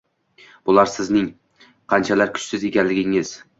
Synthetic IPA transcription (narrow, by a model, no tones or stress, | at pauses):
b̥ʊlˠaɾsɪznɪŋ | qʰɑnt͡ʃʰalaɾkʲʰʊ̥t͡ʃsɪze̞kʲanlɪɡʲɪŋɪz̥